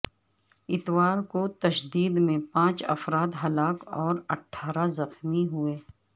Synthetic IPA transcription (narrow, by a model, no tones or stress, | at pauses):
ɪt̪waːɾkot̪ɐʃd̪iːd̪mẽpãːt͡ʃɐ̰fɾaːd̪ɦɐlaːkɔːɾɐʈʰːaːɾazɐxmiɦueː